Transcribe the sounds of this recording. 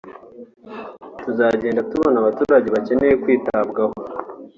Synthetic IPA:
tuzaːɟe̞ːndatuβonaβatuːɾaɟe̞βace̞ne̞jekwiːtabɡaho

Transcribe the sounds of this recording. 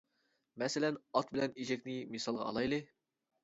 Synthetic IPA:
mɛselɛnɑt̪̚bɪlɛniʒɛkʲnɪmisɑlˠʁɑ̰ːlˠɑjlˠɨ

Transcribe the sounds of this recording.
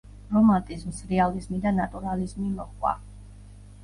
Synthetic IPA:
ɾɔmant̪ʼizmsɾɛalizmid̪anat̪ʼuɾalizmimɔχwa̰

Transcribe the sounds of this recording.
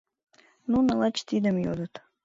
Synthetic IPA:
nunalˠat͡ɕt̪id̪əmjod̪ət̪

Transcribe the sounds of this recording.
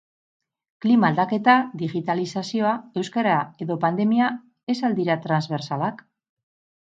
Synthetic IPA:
klimaːld̪ake̞t̪aðiɣit̪alisasio̞ae̞wskaɾae̞ðo̞pand̪e̞mia | e̞sald̪iɾat̪ɾanzβe̞ɾsalak

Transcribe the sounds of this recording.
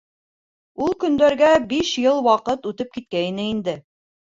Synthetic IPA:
ulˠkɵ̆nd̪æɾɡæbiʃjɤlˠwɑqɤt̪ʉt̪ɘp̚kit̪̚kæinɘind̪ɘ

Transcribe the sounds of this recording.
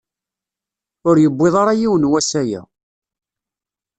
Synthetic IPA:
ʊɾjəbʷːeðˤɑɾˤɑjiwənwæsæjæ̰

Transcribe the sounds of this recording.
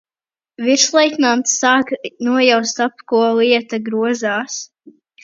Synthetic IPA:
viɾslˠɛjknamt̪sːaːknuɔjawst̪apkuɔliɛt̪aɡɾuɔzaːs

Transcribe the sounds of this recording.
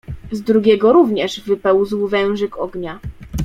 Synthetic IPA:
zd̪ɾuɡʲɛɡɔɾuvɲɛʐvɘpɛwzwvɛ̃w̃ʐɛkɔɡɲa

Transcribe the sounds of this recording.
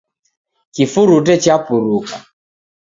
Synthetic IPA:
kifuɾut̬ɛt͡ʃapuɾuka

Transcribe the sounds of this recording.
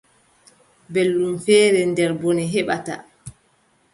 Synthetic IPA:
belːumfɛːɾɛndɛɾbɔnɛɦɛɓata̰

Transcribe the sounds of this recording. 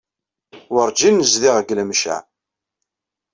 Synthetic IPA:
wəɾd͡ʒinːəzðɪʁəɡləmʃæ̰

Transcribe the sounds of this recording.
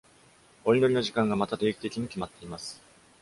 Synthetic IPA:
o̞ɾʲino̞ɾʲino̞ʑikãŋɡamat̪at̪e̞ːkʲi̥t̪e̞kʲiɲ̟ikʲimat̪ːe̞imasɨ̥

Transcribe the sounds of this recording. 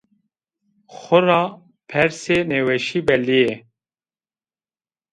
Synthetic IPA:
xʊɾɑː | pʰɛɾseːnewɛʃiːbɛlije

